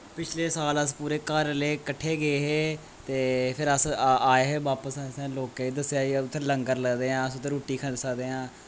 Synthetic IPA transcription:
pɪt͡ʃʰleːsaːləspuːɾeːkəɾleːkəʈʰːeːɡeːɦeː | t̪eːpʰɪɾəsaːeːɦeːʋaːpəsɛ̃sɛ̃ːloːkeiːd̪əsːejaːiʊt̪ʰːeləŋɡəɾləɡd̪eːãːəsʊt̪ːeɾuːʈːiːkʰə̃d̪səkd̪eːãː

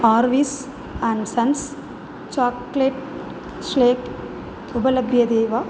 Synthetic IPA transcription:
aːɾʋiːs | ãːɳɖsɐns | t͡ʃaːkleʈ | sleːp | ubɐlɐbʱjɐd̪eːʋa

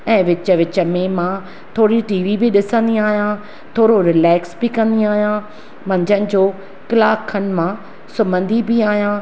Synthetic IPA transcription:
ɛ̃ːʋɪt͡ɕəʋɪt͡ɕə̆mẽmã | t̪ʰoːɾiʈiːʋibɪɗɪsə̃nd̪iaːɦijã | t̪ʰoːɾoɾɪlɛːksbɪkɐ̃nd̪iaːɦijã | mɐ̃ɲd͡ʑənɪ̆d͡ʑoː | kɪlaːkʰːənɪ̆mã | sʊbə̃nd̪ibɪaːɦijãː

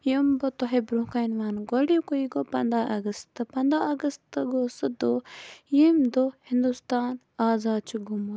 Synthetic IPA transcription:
jimbot̪oɦebɾũːkajnʋaːnɡolijkoiɡopɐnd̪aʔɐɡəst̪ɨpɐnd̪aɐɡɐst̪ɨɡosɨd̪ojimd̪ohĩnd̪ust̪aːn | aːzaːd̪̚t͡ʃʰuɡumo

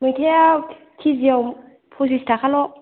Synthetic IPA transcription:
mɯjtʰɛa | tʰiziaw | pʰus̬istʰakʰalɔ

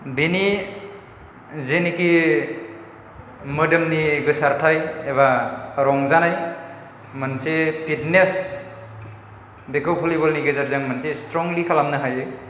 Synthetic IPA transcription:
bini | zeniki | mədɯmniɡɯsaɾtʰajeβaɾɔŋzanaj | mansepʰitnes | bekawpʰulibɔlniɡezaɾzaŋmansestɾɔŋlikʰalamnɯɦajɯ

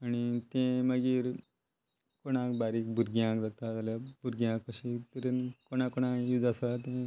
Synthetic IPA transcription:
aɽ̃it̪ẽməɡiːɾ | koɽ̃ãkbaɾiːk̚bʱuɾɡijãkd͡zat̪ad͡zaljabʱuɾɡiãkpəɕit̪əɾenkoɽ̃ãkoɽ̃ãjud͡z̪asat̪ẽ

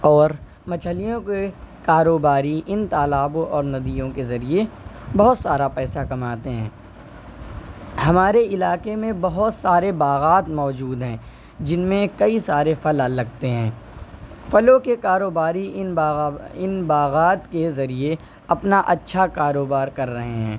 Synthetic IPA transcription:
ɔːɾ | mɐt͡ʃʰəlijõkekaːɾoːbaːɾiʔɪnt̪aːlaːbõʔɔːɾnɐd̪ijõkezɐɾiebɐɦʊt̪saːɾapɛːsakɐmaːt̪eɦɛ̰̃ː | hɐmaːɾeɪlaːkemẽbɐɦʊt̪saːɾebaːɣaːt̪mɔːd͡ʒuːd̪ɦɛ̃ː | d͡ʒɪnmẽkɐisaːɾefɐlalɐɡt̪eɦɛ̃ː | fɐlõkekaːɾoːbaːɾinɪnbaːɣaːt̪kezɐɾie | ɐpnaʔɐtːʃʰakaːɾoːbaːɾkɐɾːɐɦeɦɛ̰̃ː

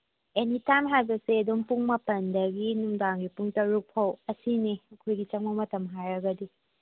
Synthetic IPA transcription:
enitamɦajbɐseɐdompuŋmɐpɐndɐɡinumdaŋɡipuŋtɐɾuk̚pʰɐwɐsineɐkʰojɡit͡ʃɐŋ̚mɐwmɐtɐmɦajɾɐɡɐdi

